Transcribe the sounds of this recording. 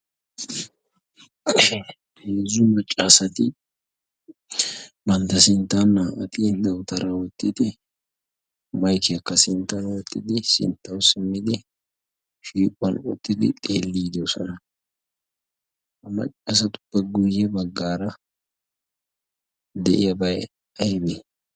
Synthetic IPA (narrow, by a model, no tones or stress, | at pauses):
heːzumɐt͡ʃʼːaːsɐt̪ɪ | bɐnt̪ɐsɪnt̪aːnːaːʔɐt̪ind̪ɐwt̪ɐɾɐwɔt̪ʼːɪd̪ɪ | mɐjkɪɐkːɐsɪnt̪ɐɾɐwɔt̪ʼːɪd̪ɪsɪ̰nt̪ːɐwsɪmːɪd̪ɪ | ʃiːkʼʊɐnɔt̪ːɪd̪ɪt̪ʼḛːlːiːd̪osɔnɐ | hɐmɐ̰t͡ʃʼːaːsɐt̪ʊ̥b̥ɐɡʊjːɛbɐɡːaːɾɐ | d̪ɛʔɪjɐbɐj | ɐjbe